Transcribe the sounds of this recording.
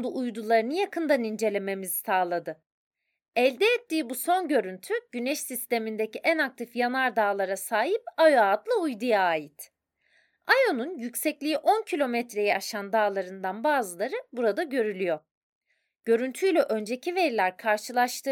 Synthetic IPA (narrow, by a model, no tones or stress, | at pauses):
d̪uʔujd̪ulˠaɾɯnɯjakʰɯnd̪anind͡ʒe̞lʲe̞me̞mizi̥saːlˠad̪ɯ | ɛlʲd̪ɛːt̪ːiːbuso̞nɟø̞ɾynt̪ʰyɟ̥ynɛʃsist̪e̞mind̪eciʔænak̚t̪ʰifjanˠaɾd̪aːlˠaɾasaːɦipajoad̪lˠɯujd̪ujaːjit̪ | ajo̞nunjycsɛclʲijiʔo̞ncʰilʲo̞mɛt̪ɾe̞jɛaʃand̪aːlˠaɾɯnd̪anbaːzɯlˠaɾɯbuɾad̪aɟø̞ɾylʲyjo̞ | ɟ̥ø̞ɾynt̪ʰyjlʲɛʔø̞nd͡ʒe̞cʰive̞ɾilʲæɾkʰaɾʃɯlˠaʃt̪ʰɯ